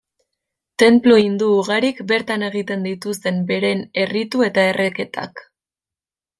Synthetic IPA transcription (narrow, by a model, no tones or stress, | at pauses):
t̪e̞mploind̪uːɣaɾikbe̞ɾt̪ane̞ɣit̪e̞nd̪it̪ust̪e̞mbe̞ɾe̞ne̞rit̪ue̞t̪ae̞rʔeke̞t̪ʰa̰k